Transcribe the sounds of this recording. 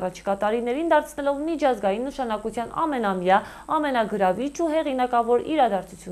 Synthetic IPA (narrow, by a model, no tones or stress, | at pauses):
rɑt͡ʃʰi̥kɑt̪ɑɾinɛɾind̪ɑɾt͡sʰnɛlɔvmit͡ʃʰɑzɡɑjinːəʃɑnɑkut͡sʰjɑnɑ̰mɛnɑmjɑ | ɑmɛnɑɡəɾɑvit͡ʃʰuɦɛʁinɑkɑvɔɾiɾɑd̪ɑɾt͡sʰu̥t͡sʰju